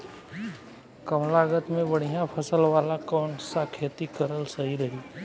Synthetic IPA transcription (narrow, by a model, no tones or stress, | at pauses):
kəmlaɡət̪mẽbɐɽ̤̃ijapʰəsəlʋaːlakɔːɳʈsakʰeːt̪ikəɾəlsəɦiɾəɦi